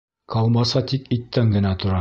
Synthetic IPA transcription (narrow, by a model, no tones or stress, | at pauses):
kʰɑlˠmɑsɑt̪ikit̪ːæŋɡɘ̆næt̪ŏɾɑ